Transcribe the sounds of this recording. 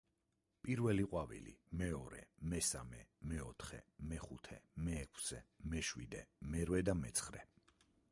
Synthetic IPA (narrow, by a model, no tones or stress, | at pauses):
pʼiɾvɛliqʼwavḭlḭmɛɔɾɛ̰mɛsamɛmɛɔt̪ʰχɛ̰mɛχut̪ʰɛmɛːkʰsɛmɛʃwid̪ɛmɛɾwɛd̪amɛ̰t̪sʰχɾɛ